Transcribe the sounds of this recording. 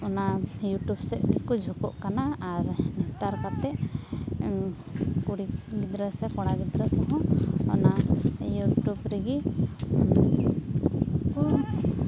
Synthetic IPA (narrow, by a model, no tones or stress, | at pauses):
ɔnajuʈubsɛʔɡikud͡ʒʱukɔʔkanaːɾnɛt̪aɾkat̪ɛʔ | kuɽiɡid̪ɾəsɛkɔɽ̃aɡid̪ɾəkɔɦɔ̃ɔ̰najuʈubɾɛɡi | ku